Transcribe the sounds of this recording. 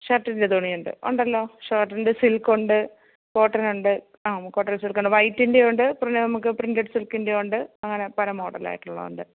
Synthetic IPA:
ɕɐʈːindet̪oːɳijuɳɖɨ̰o̰ɳɖɐlːo̞ːʂɐːʈːɐndesilkːoɳɖɨ | koːʈːrɐnuɳɖɨ | aːko̞ːʈːrɐnsilkːoɳɖɨʋɐjtːindejoɳɖɨprɨnenɐmukːɨprindeʈːsilkːindeoɳɖɨɐŋːɐne̞pɐɾɐmɦoːɽɐla̰ːjiʈːuɭːɐ̰ðo̰ɳɖɨ

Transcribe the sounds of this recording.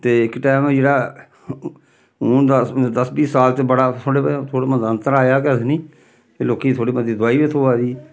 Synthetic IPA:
t̪eːɪkʈɛːmd͡ʒeːɽaː | uːnd̪ad̪əsbiːsaːlt̪eːbəɽaːt̪ʰoːɽeːpət̪ʰoːɽeːmənd̪ə̃nt̪əɾaːjaːkɛt̪ʰnĩː | eloːkiːt̪ʰoːɽiːmənd̪iːd̪ʊaːiːbet̪ʰoːaːd̪iː

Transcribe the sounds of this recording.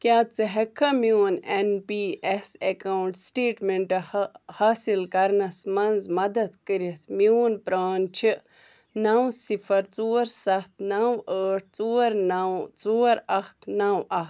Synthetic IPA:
kjaːt͡sɐɦekʰːɐmiwnenpiːʔesekawɳʈsʈeːʈmeɳʈɐhaːsilkɐɾnɐsmɐnzmɐd̪ɐd̪kəɾit̪ʰmiwnpɾaːnt͡ʃʰi | nawsifʰɐɾt͡suːɐɾsɐt̪̚ʰnawəːʈ̚ʰt͡suːɐɾnawt͡suːɐɾɐhknaːwʔɐt̪

